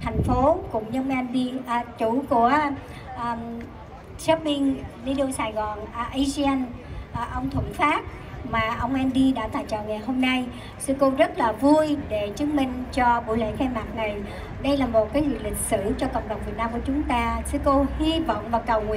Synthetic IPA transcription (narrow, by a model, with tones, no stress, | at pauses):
t̪ʰɛ˨˩jŋ̟fo˨˦kʊ̰˧˩ŋ͡mɲɨ˧mʔɛ˧nɗi˧ʔt͡ɕu˧˩ku˧˩ə | ʔː | sa˦˥p̚mi˧ŋzi˧ɗo˧saː˨˩jɣɔ˨˩nʔə˧zi˧ɛ˧nʔʔə˧wŋ͡mt̪ʰwə˧˩nfaː˦˥t̚ | maː˨˩ʔə˧wŋ͡mʔɛ˧nɗi˧ɗa̰ː˧˥t̪aː˧˨jt͡ɕə̰ː˧˨wŋa˨˩jɦo˧mna˧j | sɨ˧ko˧zə˦˥t̚laː˨˩vu˧jɗe˧˩t͡ɕɨ˨˦ŋmï˧˩ŋ̟t͡ɕɔ˧ɓṵ˧˥jlḛ˧˥k̪ʰɛ˧maː˨˩t̚na˨˩j | ɗə˧jlaː˨˩mo˨˩t̚kaː˨˦jzḭ˧˨˩t̚lï˨˩k̟̚sɨ˧˩t͡ɕɔ˧kə̰˧˨wŋ͡mɗə˨˩wŋ͡mvi˨˩ət̚naː˧mku˧˩ət͡ɕʊ˨˦ŋ͡mt̪aː˧sɨ˧ko˧hi˧vɔ̰˧˨wŋ͡mvaː˨˩kə˨˩wŋwḭ˧˨